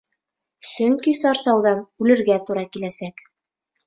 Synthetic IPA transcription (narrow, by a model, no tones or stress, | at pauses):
sɵŋkisɑɾsɑwðɑnʉlɘ̆ɾɡæt̪uɾɑkilæsæk